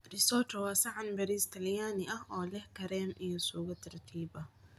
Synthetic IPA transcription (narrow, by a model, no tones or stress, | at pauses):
rɪsɔt̪ʰɔwɑːsɐʕanbɐɾiːst̪ʰɐljaːnɪʔɐɦʔɔːlɛhkʰɐɾɛːmʔijɔsuːɣɐt̪ʰɐrt̪ʰiːbɐ